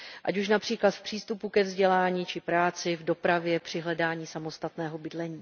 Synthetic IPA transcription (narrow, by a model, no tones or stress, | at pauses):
ʔa̰cuʃ̬napr̝̥iːklat̪fpr̥iːst̪upukɛvzɟɛlaːɲiːt͡ʃɪpɾaːt͡sɪvdo̞pɾavjɛpr̝̥ɪɦlɛdaːɲiːsamo̞st̪at̪nɛːɦo̞bɪdlɛɲiː